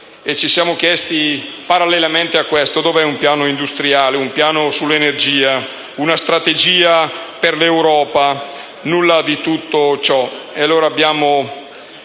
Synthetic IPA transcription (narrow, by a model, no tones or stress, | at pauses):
et͡ʃisjaːmokjɛst̪i | paɾalːelament̪eakːwɛst̪od̪oːveɛumpjaːnoind̪ust̪ɾiaːleumpjaːnosulːenerd͡ʒiːa | unast̪ɾat̪ed͡ʒiːaperlewɾɔːpa | nulːad̪it̪ut̪ːot͡ʃɔealːoːɾaːbːjaːmo